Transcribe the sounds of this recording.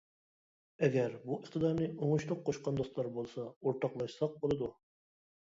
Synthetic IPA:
ɛɡʲæɾbuʔɨχt̪ʰəd̪ɑɾnɨoŋʊʃlˠʊq̚qʰːoʃqɑnd̪ost̪lˠɑɾbolˠsɑoɾt̪ʰɑqlˠɑʃsɑq̚bolˠɨd̪u

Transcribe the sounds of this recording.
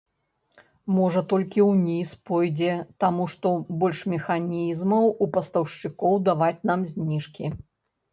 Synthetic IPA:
mɔʐɐt̪ɔlʲkʲiwnʲispɔjd͡zʲɛt̪amuʂt̪ɔbɔlʲʂmʲɛxanʲizmɐwupɐst̪ɐwʂt͡ʂɨkɔwd̪avat͡sʲnamzʲnʲiʂkʲi

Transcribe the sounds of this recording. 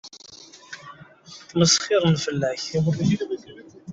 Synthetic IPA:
məsχɪɾˤənfəlːæçʁi

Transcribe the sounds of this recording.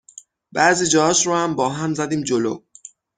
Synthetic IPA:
b̥æʔziːd͡ʒɒːhɒːʃɾohæmbɒːɦæmzæd̪iːmd͡ʒolo̰

